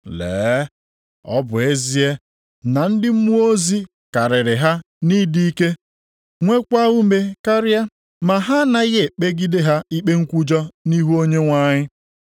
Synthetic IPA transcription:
lḛː˨˦ | ɔ̰˦bʊ˨e˦zi˦e˦ | na˨n̩˦dɪ˦m̩˦mu˦o˦zi˦ | ka˨ɾɪ˨ɾɪ˨ɦa˦ | ni˦di˦i˦ke˦ | ŋʷe˦kʷa˦u˦me˨ka˦ɾja˦ | ma˨ɦa˦na˦ɣe˦˨k͡pe˦ɡi˦de˦ɦa˦i˦k͡pe˦ŋ̩˦kʷu˦d͡ʒɔ˦ni˦ɦu˦o˦ɲe˦ŋʷa˦˨ɲɪ˦

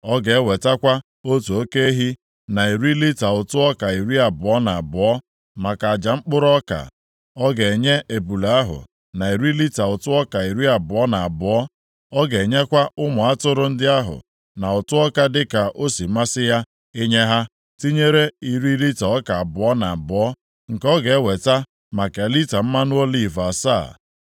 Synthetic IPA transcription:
ɔ˦ɡe˨e˦we˨ta˦kʷa˦ | o˦tu˨o˦ke˦e˦ɦi˦ | na˨i˨ɾi˦li˦ta˨ʊ˨tʊ˦ɔ˦ka˨i˨ɾi˦a˨bʊ˨ɔ˦na˨a˨bʊ˨ɔ˦ | ma˨ka˨a˨d͡ʒa˨ŋ͡m̩˦k͡pʊ˦ɾɔ˦ka̰˨ | ɔ˦ɡe˨ɲe˦ʔe˨bu˨la˦ɦʊ̰˨ | na˨i˨ɾi˦li˦ta˨ʊ˨tʊ˦ɔ˦ka˨i˨ɾi˦a˨bʊ˨ɔ˦na˨a˨bɔ˦ | ɔ˦ɡe˨ɲe˦kʷa˦ʊ˦mʊ˨a˦tʊ˦ɾʊ˦n̩˦dɪ˦a˦ɦʊ̰˨ | na˨ʊ˨tʊ˦ɔ˦ka˦dɪ˦ka˨ʔo˦si˨ma˦sɪ˦ja˦ | e˦ɲe˦ɦa˦ | ti˦ɲe˦ɾe˦i˨ɾi˦li˦ta˨ɔ˦ka˨a˨bʊ˨ɔ˦na˨a˨bʊ˨ɔ˦ | ŋ̩˨kɔ˦ɡe˨e˦we˨ta˦ | ma˨ke˨li˦ta˨m̩˦ma˦nʊ˦o˦li˦˨va˨sa̰ː˦˨

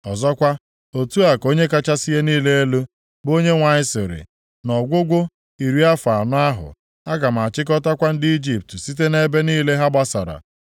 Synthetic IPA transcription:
ɔ˨zɔ˦kʷa˦ | o˨tu˦a˨ko˦ɲe˦ka˦t͡ʃa˦si˦je˦niː˦le˦e˦lo˦ | bo˦ɲe˦ŋʷa˨ɲɪ˦sɪ˨ɾɪ̰˨ | nɔ˨ɡʷʊ˦ɡʷʊ˦ | i˨ɾi˦a˦fa˨nʊ˦a˦ɦʊ̰˨ | a˦ɡa˨m̩˨a˨t͡ʃɪ˦k̬ɔ˦ta˦kʷa˦n̩˦dɪ˦i˦d͡ʒi˦p̚tsi˦te˦ne˦be˦niː˦le˦ɦa˦ɡ͡ba˦sa̰˨ɾa̰˨

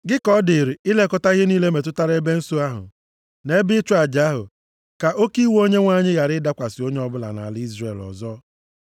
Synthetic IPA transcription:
ɡɪ˦kɔ˦dɪ˨ɾi˨ɪ˦le˦kɔ˦ta˦ɣɪ˦niː˦le˦me˨t̬ʊ˦ta˦ɾe˦be˦n̩˦so˦a˦ɦʊ̰˨ | ne˦bɪ˦t͡ʃʊ˦a˨d͡ʒa˦ɦʊ̰˨ | ka˨ʔo˦ki˦wo˦ɲe˦ŋʷa˦˨ɲɪ˦ɣa˨ɾɪ˦da˦kʷa˨sɪ˨o˦ɲe˦ɔ˦bʊ˦la̰˨na̰˨a˨li˦zɾe˨lɔ̰˨zɔ˦

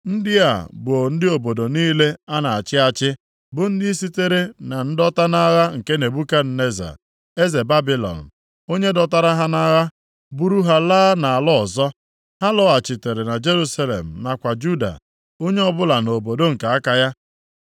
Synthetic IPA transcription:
n̩˦dɪ˦a˨bʊ˨o˨n̩˦dɪ˦o˨bo˨do˨niː˦le˦a˦na˨a˨t͡ʃɪ˦a˨t͡ʃɪ˦ | bʊ˨n̩˦dɪ˦i˦si˦te˦ɾe˦na˨n̩˦dɔ˦ta˦na˦ɣa˦ŋ̩˨ke˦ne˨bu˦ka˦n̩˨ne˦za̰˨ | e˦ze˨ba˦bi˦lɔ̰˨n̩˨ | o˦ɲe˦dɔ˨ta˦ɾa˦ɦa˦na˦ɣa˦ | bu˦ɾu˦ɦa˨laː˦na˨a˨lɔ˦ɔ˨zɔ˦ | ha˦lɔ˦a˨t͡ʃɪ˨te˨ɾe˨na˨d͡ʒe˦ɾu˦sa˦lḛ˨m̩˨na˨kʷa˨d͡ʒu˦da̰˨ | o˦ɲe˦ɔ˦bʊ˦la˨no˨bo˨do˦ŋ̩˨ka˨a˦ka˦ja˦

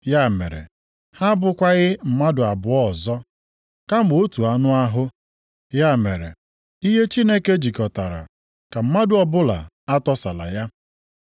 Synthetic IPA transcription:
ja˦˨mḛ˨ɾḛ˨ | ha˦bʊ˨kʷa˦ɣɪ˦m̩˨ma˦dʊ˨a˨bʊ˨ɔ˦˨zɔ˦ | ka˦m˨o˦tu˨a˨nʊ˦a˦ɦʊ˦ | ja˦˨me˨ɾḛ˨ | i˦ɦe˦t͡ʃi˦ne˦ke˦d͡ʒi˨kɔ˨ta˨ɾa̰˨ | ka˨m̩˦ma˦dʊ˨ɔ˦bʊ˦la̰˨ | a˦tɔ˦sa˨la̰˨ja˦

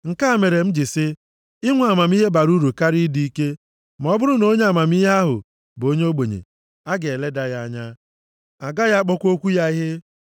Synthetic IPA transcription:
ŋ̩˨ka˦a˦˨me˨ɾe˨m̩˦d͡ʒi˨sɪ˦ | ɪ˦ŋʷ˨a˨ma˨m˦i˦ɦe˦ba˨ɾu˦ɾu˨ka˦ɾi˦di˦i˦ke˦ | ma˨ɔ˦bʊ˦ɾʊ˦no˦ɲe˦a˨ma˨m˦i˦ɦe˦a˦ɦʊ̰˨ | bo˦ɲe˦o˦ɡ͡bo˨ɲḛ˨ | a˦ɡe˨le˦da˦ja˦ɲa˦ | a˨ɡa˦ja˦k͡pɔ˦kʷo˦kʷu˦ja˦i˦ɦe˦

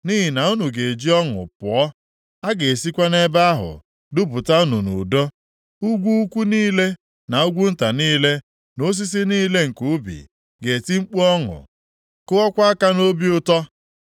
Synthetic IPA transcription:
ni˦ɦi˨na˨u˦nu˨ɡe˨e˨d͡ʒi˦ɔ˦ŋʊ̰˨pʊ˨ɔ˦ | a˦ɡe˨si˦kʷa˦ne˦ba˦a˦ɦʊ̰˨ | dʊ˦bʊ˨ta˦u˦nu˨nṵ˨dɔ˦ | u˦ɡʷu˦kʷu˦niː˦le˦ | na˨u˦ɡʷu˦n̩˦ta˨niː˦le˦ | no˦s̬i˦s̬i˦niː˦le˦ŋ̩˨ku˨u˦bḭ˨ | ɡe˨ti˦ŋ͡m̩˦k͡pu˦ɔ˦ŋʊ̰˨ | kʊ˦ɔ˦kʷa˦a˦ka˦no˦bi˦ʊ˦tɔ˦

